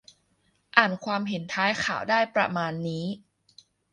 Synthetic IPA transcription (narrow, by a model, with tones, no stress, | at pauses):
ʔaː˨˩nkʰwaː˧mɦe˨˩˦nt̪ʰaː˦˥jkʰa̰ː˨˩˦wdaː˥˩jpɾa̰˧maː˧nːiː˦˥